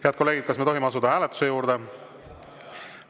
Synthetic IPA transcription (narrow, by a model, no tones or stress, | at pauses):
heɑd̪̥̚ko̞lːeɡid̪̚kɑsmet̪o̞ɦimeɑsud̪ɑhæːlet̪ːˑu̥se̞juːɾd̪̥e̞